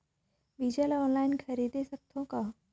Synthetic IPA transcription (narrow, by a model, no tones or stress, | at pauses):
ʋid͡ʑəlɔnlajnkʰəɾid̪esək̚t̪ʰõka